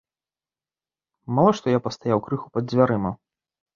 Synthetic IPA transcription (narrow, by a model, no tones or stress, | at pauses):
malˠɔʂt̪ɔjapɐst̪ajawkɾɨxupɐd̪zʲvʲaɾɨmɐ